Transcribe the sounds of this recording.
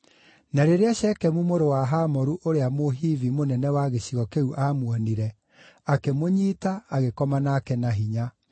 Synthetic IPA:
naɾeɾeaʃɛkɛmumoɾowaɦamɔɾuʔoɾeamoɦivimonɛnɛwaɣeɕiɣɔkeuʔamwɔniɾɛ | akemoɲiːtaːɣekɔmanaːkɛnaɦiɲa

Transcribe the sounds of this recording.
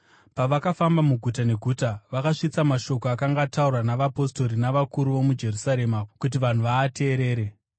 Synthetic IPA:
paʋakafambamuɡʱutane̞ɡʱutaʋakaʂit͡samaʃo̞koakaŋɡataurwanaʋapo̞sto̞ɾinaʋakuɾuʋo̞mud͡ʒe̞rusaɾe̞makut̬iʋan̤uʋaːtʰe̞ːɾe̞ːɾe̞

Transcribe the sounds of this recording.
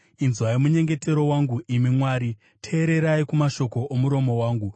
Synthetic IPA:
inzwaimuɲe̞ŋɡe̞te̞ɾo̞waŋɡuʔimimwaːɾi | tʰeːɾe̞ɾaikumaʃo̞ko̞omuɾo̞mo̞waːŋɡu

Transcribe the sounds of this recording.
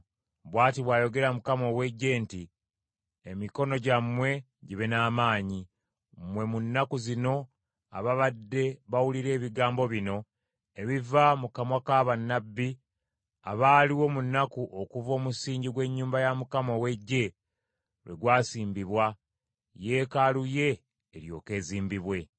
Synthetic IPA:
βwaːtiβwaːjo̞ɡe̞ɾamukamo̞we̞ɟːe̞ːnti | emiko̞no̞ɟamwe̞ | ɟiβenaːmaːɲi | mwe̞munːakuzino̞ | a̰βaβadːe̞βawuliɾe̞ːβiɡaːmbo̞βino̞ | eβivamukamwakaβanːabːi | a̰βaːliwo̞munːakuʔokuvo̞ːmusiːɲɟiɡwe̞ɲːuːmbajamukamowe̞ɟːe̞ | lwe̞̰ɡwaːsiːmbiβwa | je̞ːkaluje̞ː | ɾjo̞̰ːke̞ːziːmbiβwe̞

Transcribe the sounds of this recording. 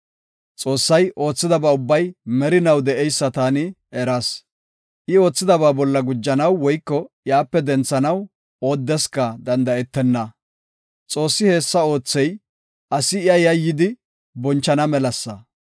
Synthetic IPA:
t͡sʼo̞ːsːɐjʔo̞ːt͡sːɪd̪ɐbaːʊbːɐjmɛɾɪnɐwd̪ɛʔɛjsːɐt̪aːnɪ | ɛɾɐs | ʔɪo̞ːt͡sːɪd̪ɐbaːbɔlːɐɡʊd͡ʒːɐnɐwːɔjkːɔjaːpːɛd̪ɛnt͡sːɐnɐw | o̞ːd̪ːɛskɐd̪ɐnd̪ɐɛt̪ːɛnːɐ | t͡sʼo̞ːsːɪhe̞ːsːɐo̞ːt͡sːɛj | ʔɐsɪɪjɐjɐjːɪd̪ɪ | bɔnt͡ʃːɐnɐmɛlɐsːɐ

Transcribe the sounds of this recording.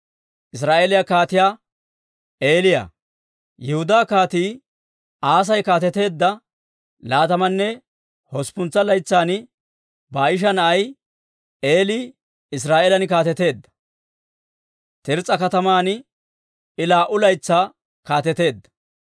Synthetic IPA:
ʔɪs̬ɾaːʔelɪjakaːt̪ɪjaː | e̞ːlɪja̰ː | jɛhʊd̪aːkaːt̪iː | ʔaːs̬ɐjkaːt̪ɛt̪e̞ːd̪ːɐ | laːt̪ɐmɐnːɛ | hɔspʊnt͡sːɐlɐjt͡sːaːnɪ | baːɪʃ̬ɐnɐʔɐj | e̞ːliː | ɪs̬ɾaːʔelɐnɪkaːt̪ɛt̪e̞ːd̪ːɐ̥ | t̪ɪɾt͡sʼɐkɐt̪ɐmaːn | ɪlaːʔʊlɐjt͡sːaː | kaːt̪ɛt̪e̞ːd̪ːɐ̥

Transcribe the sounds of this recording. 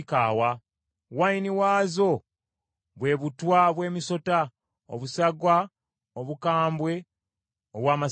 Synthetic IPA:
kaːwa | wainiwaːzo̞ | βwe̞ːβutwaβwe̞ːmiso̞ta | o̰βusaɡwa | oβukaːmbwe̞ | oβwaːma

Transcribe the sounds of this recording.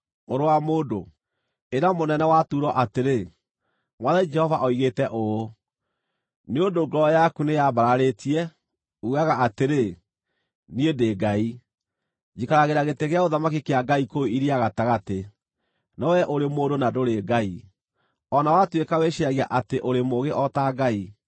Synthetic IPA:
oɾowamoːdo | eɾamonɛnɛwatuɾɔʔateɾe | mwaðɛd͡ʒɛhɔvaʔɔiɣeːtɛʔoo | neondoɡɔjakunejaβaɾaɾetiɛ | uaɣaateɾe | niendeːɡai | d͡ʒikaɾaɣeɾaɣeteɣeaoðamak̬ikeaɡaikoiɾiaɣataɣate | nɔwɛʔoɾemoːdonadoɾeːɡai | ɔnawatwekaweʃeaɣiaʔateʔoɾemoɣeʔɔtaɡai

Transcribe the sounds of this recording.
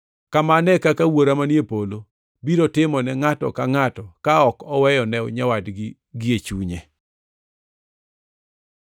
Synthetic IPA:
kamanɛkakawoɾamanjepolo | biɾotɪmɔnɛŋatɔ̰kaŋatɔkaɔkɔwɛjɔnɛw̰ɲawadɡɪ | ɡɪet͡ʃuɲe

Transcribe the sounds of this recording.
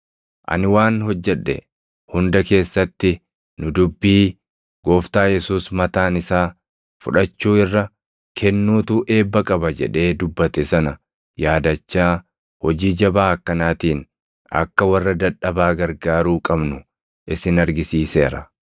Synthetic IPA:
ʔɐ̰nɪwaːnhɔd͡ʒːɛᶑːɛ̰ | hʊnd̪ɐke̞ːsːɐt̪ːɪ | nʊd̪ʊbːiː | ɡ̥oːft̪aːjɛsuːsmɐt̪aːnɪsaː | fʊ̰ᶑɐt͡ʃːuːɪrːɐ | kʰɛnːuːt̪uːʔe̞ːbːɐkʼɐbɐd͡ʒɛ̰ᶑe̞ːd̪ʊbːɐt̪ɛsɐnɐ | jaːd̪ɐt͡ʃːaː | hɔd͡ʒiːd͡ʒɐbaːɐkːɐnaːt̪iːn | ɐ̰kːɐwɐrːɐd̪ɐᶑɐbaːɡɐɾɡaːɾuːkʼɐbnʊ | ʔɪsɪnɐɾɡɪsiːse̞ːɾɐ̰

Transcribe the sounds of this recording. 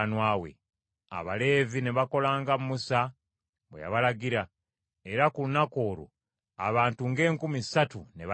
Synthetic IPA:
nwaːwe̞̰ | a̰βale̞ːvine̞βako̞laːŋɡammusa | βweja̰βalaɡiɾa | eɾakulunako̞ːɾo̰ | a̰βaːntuŋɡe̞ːŋkumisatune̞β

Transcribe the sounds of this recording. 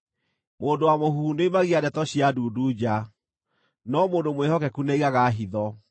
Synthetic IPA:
moːndowamohuuneimaɣiadɛtɔɕjaduːduːd͡ʑa | nɔmoːndomweɦɔkɛkuneiɣaɣaɦiðɔ

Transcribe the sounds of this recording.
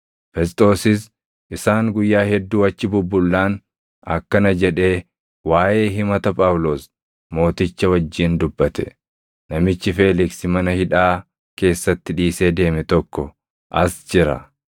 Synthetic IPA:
fɛst̪ʼo̞ːsɪs | ʔɪsaːŋɡʊjːaːhɛd̪ːuːɐt͡ʃːɪbʊbːʊlːaːn | ɐ̰kːɐnɐd͡ʒɛᶑe̞ː | waːje̞ːɦɪmɐt̪ɐpʼaːwlo̞ːs | mo̞ːt̪ɪt͡ʃːɐwɐd͡ʒːiːnd̪ʊbːɐt̪ʰɛ | nɐmɪt͡ʃːɪfe̞ːlɪksɪmɐnɐhɪᶑaː | ke̞ːsːɐt̪ːɪᶑiːseːd̪e̞ːmɛt̪ɔkːɔ | ʔɐsd͡ʒɪɾɐ̰

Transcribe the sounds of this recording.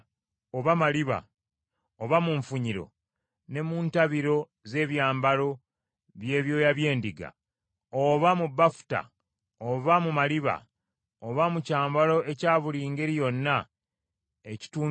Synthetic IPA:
oβamaliβa̰ | oβamuɱfuɲiɾo̞̰ | ne̞muːntaβiɾo̞ | ze̞ːβjaːmbalo̞ | βje̞ːβjo̞ːjaβje̞ːndiɡa̰ | oβamubːafu̥ta̰ | oβamumaliβa̰ | oβamucaːmbalo̞e̞caːβuliːŋɡe̞ɾijo̞nːa | eci̥tuː

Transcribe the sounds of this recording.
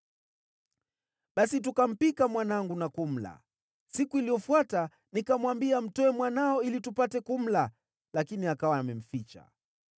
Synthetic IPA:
ɓasit̬ukam̩pikamwanaŋɡunakum̩la̰ | sikuilijɔfwata | nikamwambiam̩tɔɛmwanaɔilitupatɛkum̩la | lakiniakawamɛm̩fit͡ʃa̰

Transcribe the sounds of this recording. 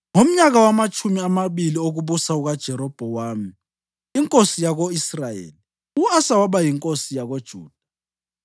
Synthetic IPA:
ŋom̩ɲaɣ̬awamat͡ʃʼʰumiamaɓilioɣ̬uɓusauɣad̥ʒ̥ʱɛɾɔb̥ʱɔwaːmi | iŋkʼosijaɣoisrajḛːli | uasawaɓajiŋkʼosijaɣod̥ʒ̥ʱuːd̥ʱa

